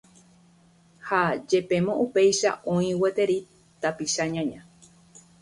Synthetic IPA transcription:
had͡ʒe̞pẽ̞mõʔupe̞jʃa̰ʔõĩwet̪e̞ɾi | t̪apiʃaɲãɲã

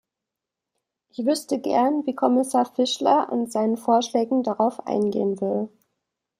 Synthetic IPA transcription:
ʔɪçv̥ʏstəɡɛ̰ɐnviːkʰɔmɪsaːɐfɪʃlɐʔʊ̰nzaɪnənfoːɐʃlɛːɡŋ̩daʁaʊfʔa̰ɪnɡḛːənvɪl

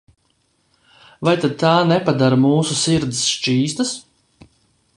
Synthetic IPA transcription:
vajt̪ad̪̚t̪aːnɛpad̪aɾmuːsusiɾd̪sʃt͡ʃiːst̪as

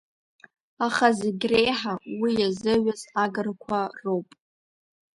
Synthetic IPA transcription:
aχazɪɡʲrejħawijazɨɥazaɡɨrkʷʰarowpʼ

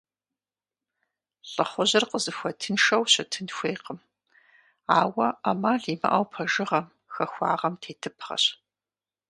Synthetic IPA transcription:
ɬʼɐχʷʊʑɐrqəzɨxʷɐtʰɨnʃɐwɕɐtʰɨnxʷeːqəm | aːwɐamaːɮiːmɐ̰ʔɐ̰wpʰɐʒɨʁɐm | xɐxʷɑ̰ːʁɐmtʰeːtʰɨpʰχɐ̰ɕ

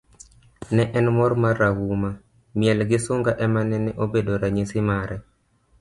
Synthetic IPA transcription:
nɛʔɛnmɔrmarːawuma | mɪɛlɡɪsoŋɡaʔɛmanɛnɛʔobedoɾaɲisɪmaɾɛ

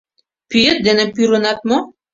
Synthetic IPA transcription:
pyjet̪̚d̪enepyɾɤnɑt̪̚mo

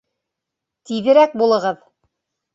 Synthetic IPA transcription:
t̪iðɘ̆ɾæk̚bulˠɤ̆ʁɤð

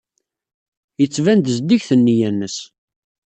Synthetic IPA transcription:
jət͡sːvænd̪əzd̪içθənːijænːəs

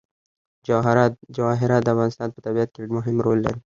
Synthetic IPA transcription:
d͡ʒaɦɾd͡ʒawɑɦɪɾɑt̪̚d̪əafɣɑːnɪst̪ɑːnpət̪abiat̪̚kemʊɦɪmɾoːlːa̰ɾi

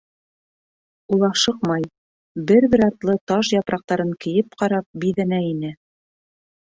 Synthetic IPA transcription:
ulˠɑʃɤqmɑj | bɘɾβɘ̆ɾɑɾt̪lˠɤt̪ɑʃjɑpɾʔɑq̚t̪ɑɾɤŋkɘ̆jɘp̚qɑɾɑp̚biðænæinɘ

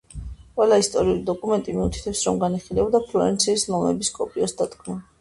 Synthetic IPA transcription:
qʼwɛlˠaist̪ʼɔɾiulid̪ɔkʼumɛnt̪ʼimiut̪ʰi̥t̪ʰɛpsɾɔmɡaniχilɛbd̪apʰluɛ̰nt̪sʰiːslɔmɛbiskʼɔpʼiɔsd̪ad̪ɡʰna

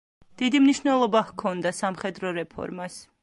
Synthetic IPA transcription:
d̪̥id̪imniʃnɛlˠɔbaχkʰɔnd̪asamχɛd̪ɾɔɾɛpʰɔ̰ɾmas

